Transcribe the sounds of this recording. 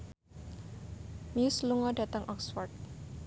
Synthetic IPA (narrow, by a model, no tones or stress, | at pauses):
miusluŋɔɖa̤t̪aŋʔɔksfɔrd̚